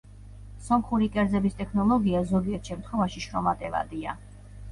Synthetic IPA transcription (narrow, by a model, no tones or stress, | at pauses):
sɔmχuɾikʼɛɾd̪zɛbist̪ʼɛkʰnɔlˠɔɡiazɔɡiɛɾt̪ʰʃɛmt̪ʰχɔvaʃiʃɾɔmat̪ʼɛva̰d̪ia